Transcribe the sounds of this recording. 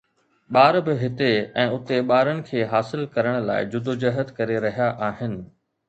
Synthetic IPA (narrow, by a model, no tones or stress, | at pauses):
ɓaːɾbɪɦɪt̪eɛ̃ːʊt̪eɓaːɾəɽ̃ɪ̆kʰeːɦaːsɪlkɐɾəɽ̃la̰ːɪd͡ʑʊd̪od͡ʑɐɦət̪kɐɾeɾɐɦijaʔaːɦɪnɪ̆